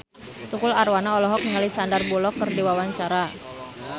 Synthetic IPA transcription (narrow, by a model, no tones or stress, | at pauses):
t̪ukʊlaɾwanaɔlɔɦɔk̚nŋalisandarbɔlɔkːərdewawaɲt͡ʃaɾa